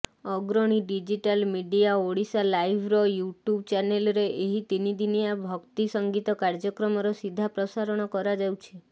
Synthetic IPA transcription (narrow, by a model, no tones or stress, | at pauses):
ɔɡɾɔɽ̃iɖid͡ʒiʈalmiɖijaoɽisalajbʱɾɔjuʈjubt͡ʃanelɔɾeʔeɦit̪inid̪inijabʱɔkt̪isɔŋɡit̪ɔkaɾd͡ʒɔkɾɔmɔɾɔsid̪ʱːapɾɔsaɾɔɽ̃ɔkɔɾad͡ʒawt͡ʃʰi